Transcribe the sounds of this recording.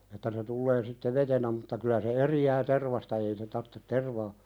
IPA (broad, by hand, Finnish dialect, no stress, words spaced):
etːæ se tulːeː sitːe ʋetenæ mutːɑ kylæ se eriæː terʋɑstɑ ei se tɑrtːet terʋɑː